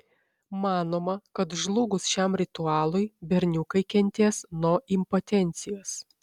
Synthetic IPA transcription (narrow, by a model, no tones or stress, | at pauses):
mɑːnoːmɐkɐt̪ʒlˠʊɡʊsʃʲæmɾʲɪt̪ʊɑːlˠʊɪbʲɛɾʲnʲʊkɐɪkʲɛnʲt̪ʲeːsnoɔʔɪmpoːt̪ʲɛnʲt̪sʲɪjoːs